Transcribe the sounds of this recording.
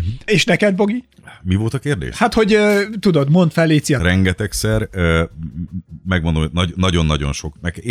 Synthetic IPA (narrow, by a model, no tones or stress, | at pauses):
eːʃnɛkɛd̪̚bo̞ɡi | mivo̞lt̪ɒkeːrd̪ḛːʃhat̪ho̞ɟt̪ud̪o̞d̪mo̞nt̪fɛlːeːt̪siɒrɛŋɡɛt̪ɛksɛrø | mɛɡmond̪omonɒnːɒɟo̞nːɒɟo̞̰nʃo̞kmɛk